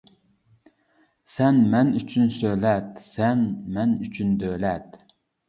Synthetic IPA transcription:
sɛnmɛnyt͡ʃʰynsølɛt̪̚sɛnmɛnyt͡ʃʰynd̪øjlɛt̪̚

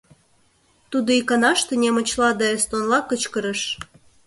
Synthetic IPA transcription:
t̪ud̪oikɑnɑʃt̪ĕnʲemə̆t͡ɕlɑd̪ɑest̪onlɑkət͡ɕkəɾəʃ

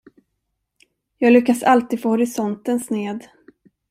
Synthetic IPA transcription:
jɑːɡlʏkːasalt̪iːd̪foːhɔɾɪsɔnt̪ənsneːd̪

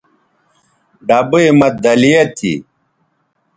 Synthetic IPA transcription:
ɖɐbɨimɐt̪̚d̪ɐlijet̪ʰḭ

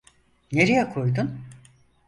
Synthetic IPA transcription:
neɾijɛkʰo̞jd̪un

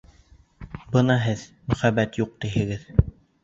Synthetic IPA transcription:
bɤnɑɦɘðmɵ̆χæbæt̪juq̚t̪iɦɘ̆ɡɘð

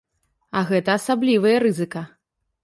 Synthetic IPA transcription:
ɐɣɛt̪ɐːsablʲivɨjɐɾɨzɨkɐ

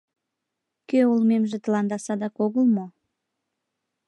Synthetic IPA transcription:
køulmemʒĕt̪əlɑnd̪ɑsɑd̪ɑkoɣəlmo

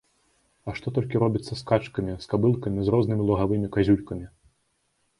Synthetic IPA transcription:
ɐʂt̪ɔt̪ɔlʲkʲiɾɔbʲit̪sːɐskat͡ʂkɐmʲiskabɨlˠkɐmʲizrɔznɨmʲilˠɐɣavɨmʲikazʲulʲkɐmʲi

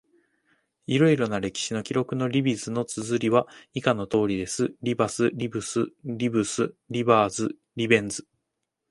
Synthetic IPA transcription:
iɾo̞iɾo̞naɾe̞kʲi̥ɕino̞kʲiɾo̞kɯ̟no̞ɾʲibʲizɨno̞t͡sɨzɨɾʲiβaikano̞t̪o̞ːɾʲid̪e̞sɨɾʲibasɨɾʲibɯ̟sɨɾʲibɯ̟sɨɾʲibaːzɨ | ɾʲibẽ̞nd͡zɨ̥

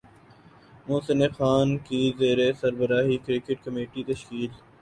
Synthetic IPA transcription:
moːsɪnexaːnkizeːɾesɐɾbəɾaːɦikɾɪkeʈkɐmeːʈit̪ɐʃkiːl

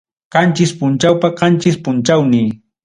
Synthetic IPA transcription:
qɑnt͡ʃɪspʊnt͡ʃawpaqɑnt͡ʃɪspʊnt͡ʃawnɪ

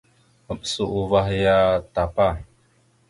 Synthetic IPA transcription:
əmsuʔuvahjat̪apa

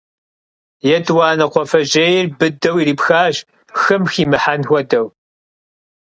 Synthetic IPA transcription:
jɛdwɑːnɐqʷɔfɐʒejɪrbɨdɐwiɾiːpxaːʒ | xɨmxiːmɨħanxʷɔdɐw

